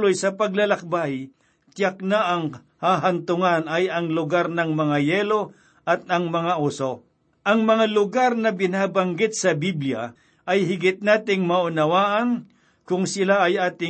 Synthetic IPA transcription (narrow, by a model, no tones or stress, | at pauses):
lojsɐpɐɡlɐlɐk̚baj | t̪jak̚naʔɐŋ | haɦɐnt̪ʊŋanɐjɐŋlʊɡaɾnɐŋmɐŋajɛlo̞ | ʔɐt̪̚ɐŋmɐŋaʔuso | ʔɐŋmɐŋalʊɡaɾnɐbɪnaːbɐŋɡɪt̪̚sɐbiblja | ʔɐjɦɪɡɪt̪̚naːt̪ɪŋmɐʔʊnɐwaːʔɐn | kʊŋsɪlaɐjʔaːt̪ɪ